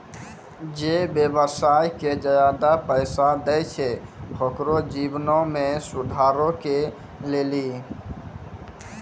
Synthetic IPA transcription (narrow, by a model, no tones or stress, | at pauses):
d͡ʒebjeʋəsaːjked͡ʒəjaːd̪apəɪsad̪əjt͡ʃʰepʰokɾod͡ʒiːʋnõmẽsʊd̪ʱaːɾoke | leːliː